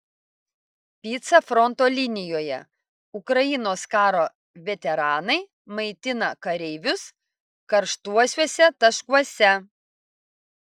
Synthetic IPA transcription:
pʲiːt̪sɐfɾɔnt̪oːlʲɪnʲɪjoːjɛ̰ | ʊkɾɐjɪnoːskɑːɾoː | ʋʲɛt̪ʲɛɾɑːnɐɪ | mɐɪt̪ʲɪnɐkɐɾʲɛɪʋʲʊs | kɐɾʃt̪uɔsʲʋuɔsʲɛt̪ɐʃkuɔsʲɛ

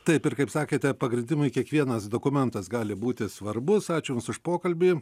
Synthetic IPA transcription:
t̪ɐɪpɪrkɐɪpsɑːkʲeːt̪ʲɛpɐɡɾʲɪnʲd̪ʲɪmʊɪkʲiɛkʋʲiɛnɐsd̪oːkʊmʲɛnt̪ɐsɡɑːlʲɪbuːt̪ʲɪsʋɐrbʊsɑːt͡ʃʲʊjʊmsʊʃpoːkɐlʲbʲiː

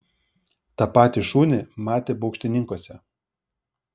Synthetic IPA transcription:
t̪ɑpɑːt̪ʲɪʃuːnʲɪmɑːt̪ʲeːbɔʊkʃʲt̪ʲɪnʲɪŋkoɔsʲɛ

